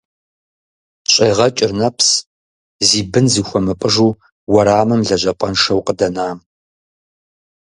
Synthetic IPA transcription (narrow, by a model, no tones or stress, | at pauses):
ɕʼejʁɐt͡ʃʼɪrnɐpʰs | ziːbɨnzɨxʷɔmɨpʼəʒuː | wɐɾaːmɨmɮɐʒʑɐpʼɐnʂɐwqədɐnaːm